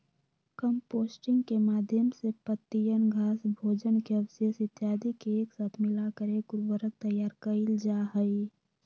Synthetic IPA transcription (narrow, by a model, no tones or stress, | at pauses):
kəmpoːsʈɪ̃ŋɡkemaːd̪ʱjəmsepət̪ːijənɡʱaːsbʱoːd͡ʒənkeɐʋsesɪt̪jaːd̪ikeeːksaːt̪ʰmɪlakəɾekʊɾbəɾək̚t̪əjːaːɾkəɪld͡ʒaɦəi